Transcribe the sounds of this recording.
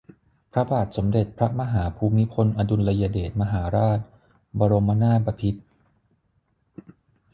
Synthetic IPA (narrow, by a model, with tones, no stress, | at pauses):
pʰɾa˦˥baː˨˩t̪̚so˩˦mde˨˩t̪̚pʰɾa˦˥ma˧ɦaː˩˦pʰuː˧mi˦˥pʰo˧nʔa˧du˧nla˧jaː˧deː˨˩t̪̚ma˧ɦaː˩˦ɾaː˥˩t̪̚ | bɔː˧ɾo˧mːa˧naː˥˩ba˧pʰi˦˥t̪̚